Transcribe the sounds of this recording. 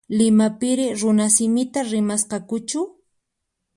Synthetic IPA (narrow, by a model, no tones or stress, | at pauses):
lɪmapɪɾɪɾʊnasɪmɪt̪aɾɪmasqɑkʊt͡ʃʊ